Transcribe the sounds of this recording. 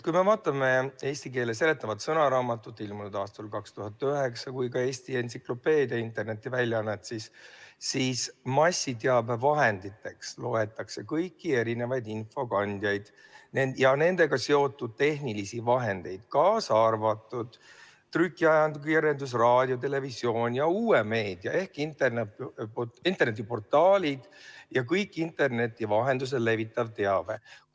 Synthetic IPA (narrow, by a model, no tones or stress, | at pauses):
kujme̞vɑːt̪ːˑɑme̞e̞ːsʲt̪ike̞ːlese̞le̞t̪ːˑɑvɑt̪sɤnɑɾɑːmɑt̪ːˑut̪ːilmunud̪ɑːst̪ɑlkɑkst̪uɦɑt̪ːˑyɦeksɑkujkɑe̞ːst̪ie̞nsiklo̞pe̞ːd̪iɑint̪ˑe̞rne̞t̪ːivælʲːjɑnːet̪sissiːsmɑsʲːit̪eɑbvɑɦe̞nd̪̥it̪ːe̞kslo̞e̞t̪ːˑɑkse̞kɤjkːie̞ɾine̞vɑjd̪info̞kɑnʲd̪̥jɑjd̪̥ | nenjɑne̞nd̪̥e̞ɡ̥ɑse̞o̞t̪ːud̪̥̚t̪e̞ɦnilisivɑɦe̞nd̪̥e̞jd̪̥kɑːsɑrvɑt̪ːˑud̪̥ | t̪rykˑːiɑjɑnd̪ukieɾend̪us̬rɑːd̪̥ʲjo̞t̪̬e̞le̞visjo̞ːnʲjɑuːeme̞ːd̪̥jɑ̰e̞hkint̪e̞rnepːint̪ːˑe̞rnet̪̬ːipo̞rt̪ːˑɑːlʲid̪̥jɑkɤjkːˑint̪ːˑe̞rne̞t̪ːˑivɑɦe̞nd̪us̬e̞le̞vit̪ːˑɑvt̪e̞ɑve